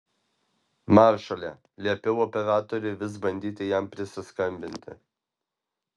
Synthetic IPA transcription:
mɑːɾʃɐlʲɛ | lʲiɛpʲɛʊɔpʲɛɾɑːt̪ɔɾʲɛɪʋʲɪs̬bɐnʲd̪ʲiːt̪ʲɪjæmpʲɾʲɪsʲɪskɐmʲbʲɪnʲt̪ʲɪ̰

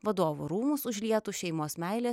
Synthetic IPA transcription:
ʋɐd̪oːʋṵɾuːmʊsʊʒʲlʲiɛt̪uːʃʲɛɪmoːsmʲæˑɪlʲeː

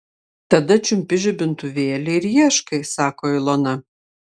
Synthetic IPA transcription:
t̪ɐd̪ɐt͡ʃʲʊmʲpʲɪʒʲʊbʲɪnt̪ʊʋʲeːlʲɪɪɾjiɛʃkɐɪsɑːkoːɪlˠonɐ

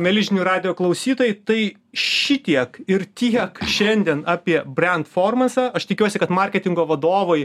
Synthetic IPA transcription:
mʲɛlʲɪʒʲɪnʲuːɾɑːd̪ʲɪjoːklˠɐʊsʲiːt̪oːjɛt̪ɐɪ | ʃʲɪt̪ʲiɛkɪɾt̪ʲiɛkʃʲɛnʲd̪ʲiɛnɑːpʲiɛbʲɾʲɛnt̪foːrmɐsɐɐʃt̪ʲɪkʲuɔsʲɪkɐt̪mɐɾʲkʲɛt̪ʲɪŋɡoːʋɐd̪oːʋoj

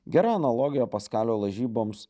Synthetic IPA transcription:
ɡʲɛɾɑːɐnɐlˠoːɡʲɪjɛpɐskɑːlʲoːlˠɐʒʲiːboːms

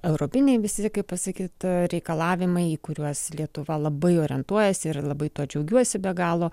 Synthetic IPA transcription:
ɛʊɾoːpʲɪnʲɛɪʋʲɪsʲɪkɐɪppɐsɐkʲiːt̪ɾʲɛɪkɐlˠɑːʋʲɪmɐɪikʊɾʲuɔslʲiɛt̪ʊʋɐlˠɐbɐɪoːɾʲɪɛnt̪uɔjɛsʲɪɾlˠɐbɐɪt̪uɔd͡ʒʲɛʊɡʲuɔsʲɪbʲɛɡɑːlˠoː

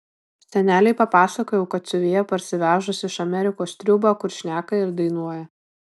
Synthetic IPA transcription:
sʲɛnʲæːlʲɛɪpɐpɑːsɐkoːjɛʊkɐt̪̚sʲʊʋʲejɛpɐɾʲsʲɪʋʲæːʒʊsʲɪɪʃɐmʲɛɾʲɪkoːst̪ʲɾʲʊbɐkʊɾʃʲnʲæːkɐɪɾd̪ɐɪnuɔjɛ

